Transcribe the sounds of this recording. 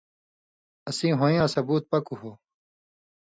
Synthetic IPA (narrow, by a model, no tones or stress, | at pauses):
ɐsĩːɦoːjãːsɐbuːt̪̚pɐkuɦoː